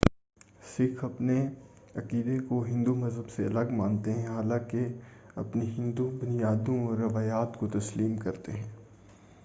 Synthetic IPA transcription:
sɪkʰɐpne | ɐkiːd̪ekoɦɪ̃nd̪umɐzɦəbseɐləɡmãːnt̪eɦɛ̃ɦaːlãːkeɐpniɦɪ̃nd̪ubʊnijaːd̪õɔːɾːɐʋaːjaːt̪kot̪ɐsliːmkɐɾt̪ḛɦɛ̃ː

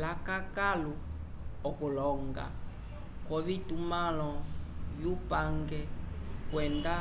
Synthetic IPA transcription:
lakakalu | ɔkulɔŋɡa̰ | kɔvitumalɔvjupaŋɡɛkwɛnda

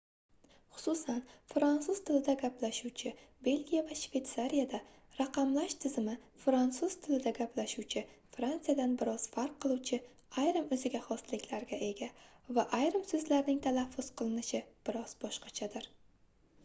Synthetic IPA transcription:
χʊ̥sʊsanfɾant̪suzt̪ʰɪlɪd̪aɡʲaplaʃuwt͡ʃʰɪbe̞lɡʲijavaʃv̥e̞t̪saɾijad̪a | ɾaqɑmlaʃt̪ʰɪzɪmɪ | fɾant̪suz̥t̪ʰɪlɪd̪aɡʲaplaʃuwt͡ʃʰɪfɾant̪sɨjad̪anbɪɾɒz̥faɾq̚ʰːɨlˠuwt͡ʃʰɪ | ajɾɪmɵzɪɡʲaχɒst̪lɪkʲʰlaɾɡʲaʔe̞ɡʲavaʔajɾɪmsɵzlaɾnɪŋt̪ʰalafːʊz̥qʰɨlˠɪnɪʃɪb̥ɪɾɒz̥bɒʃqɑt͡ʃʰad̪ɪɾ

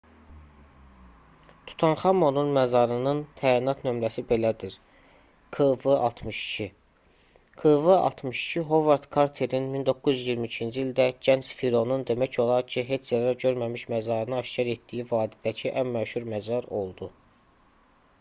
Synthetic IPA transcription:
t̪ʰu̥t̪ʰɑnχɑmo̞nunmæzɑɾɯnɯnt̪ʰæːinɑt̪ʰnø̞mɾæsibe̞læd̪iɾ | kʰɯvɯʔɑ̰lˠt̪ʰmɯʃi̥cʰi | kʰɯvɯɑ̰lˠt̪mɯʃi̥cʰiɦo̞vɑɾt̪kʰɑɾt̪ʰe̞ɾinmind̪o̞kːuzzjiɾmiːcʰind͡ʒiild̪æɟænt͡ʃfiɾo̞nund̪e̞mæcʰo̞lˠɑɾcʰiɦe̞t͡ʃʰzæɾæɾɟø̞ɾmæmiʃmæzɑɾɯnɯɑʃcɑɾe̞t̪̚d̪ijivɑːd̪id̪æcʰiʔænmæʃuɾmæzɑɾo̞lˠd̪u

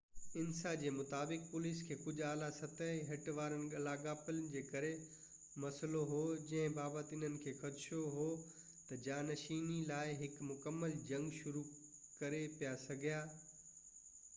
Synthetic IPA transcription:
ɪnsad͡ʑeːmʊt̪aːbɪk̚pʊliːskʰeːkʊd͡ʑʱaːlasɐt̪əɦɪɦɐʈʋaːɾənɪ̆ɠɐlaːɡaːpɪlə̆d͡ʑeːkɐɾe | mɐsəloɦoːd͡ʑɐ̃ɦɪ̃baːbət̪ɪn̤ənɪ̆kʰeːxɐt̪ʃoɦoː | t̪ɐd͡ʑaːnɐʃiːnilaːɪɦɪkmʊkəmːəld͡ʑɐ̃ŋɡʃʊɾukɐɾepijasɐɡʱijaː

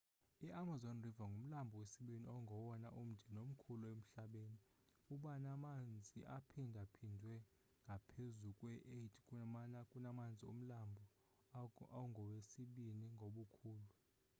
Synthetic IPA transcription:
iʔamazɔnrivaŋɡʱum̩lambʱɔwesiɓiniawŋɡʱɔwɔna̰ʔum̩dʱɛnom̩kʰuluem̩ɬaɓeːni | uɓanamand͡zʱiʔapʰindʱapʰindʱwɛ | ŋɡʱapʰezukʼwɛʔetʰʼi̥kʼuanakʼunamand͡zʱiṵm̩lambʱɔ | awuŋɡʱɔwesiɓiniŋɡʱoɓukʰuːlu

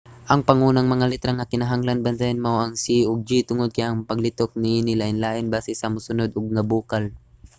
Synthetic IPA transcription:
ʔɐŋpɐŋuːnɐŋmɐŋalɪt̪ɾaŋɐkɪnɐɦaŋlɐnbɐnt̪ajanmawɐŋsiʊɡ̚d͡ʒit̪ʊŋod̪̚kɐjɐŋpɐɡlɪt̪ok̚nɪʔiːnɪlaʔɪnlaːʔɪnbaːsɛsɐmʊsʊnod̪ʊɡ̚nɐbuːkɐl

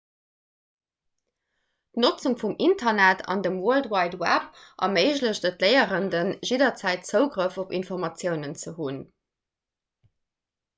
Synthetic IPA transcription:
tnot͡suŋfumintʰɐnætʰɑ̰ndəmwɜldwɑɪdwæp̚ʔɑ̰mɜɪʑləɕdətʰlɜɪəʁəndənʒidɐt͡sæɪt̚t͡səʊɡʁəfopḭnfoʁmɑt͡sjəʊnənt͡səɦun

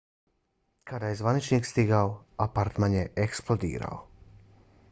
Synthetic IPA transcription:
kad̪ajezʋanit͡ʃniːkst̪iɡaoapaɾt̪manjeʔeksplˠod̪ḭːɾa̰o̰

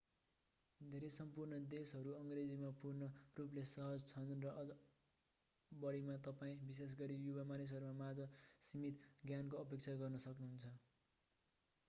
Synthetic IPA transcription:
d̪ʱeɾesʌmpurnʌd̪esɦʌɾuʌŋred͡zimapurnʌrup̬lesʌɦʌd͡zt͡sʰʌnrʌʔʌʌ | bʌɽimat̪ʌpaĩbis̬es̬ɡʌɾijubamanis̬ɦʌɾumamad͡zʌsimit̪ɡjankoʌpek̚t͡sʰaɡʌrnʌsʌknuɦunt͡sʰʌ

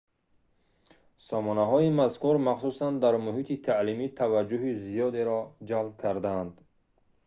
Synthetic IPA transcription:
sɔmɔnaɦɔimaskuɾmaχsusand̪aɾmuɦit̪ʰit̪ʰalimit̪ʰavad͡ʒːuɦizijɔd̪eɾɔd͡ʒalb̚kʰaɾd̪aːnd̪

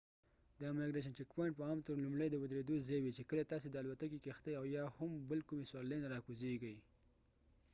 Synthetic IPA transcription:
d̪əameɡɾeʃ̬ant͡ʃekpaɳʈ̚pəɑmt̪əɾlumɽəjd̪əwʊd̪ɾed̪ozewit͡ʃekəlat̪ɑs̬ed̪əalwat̪akikext̪əjawjɑhʊmbəlkumeswɑlenaɾɑkuzeɡəj

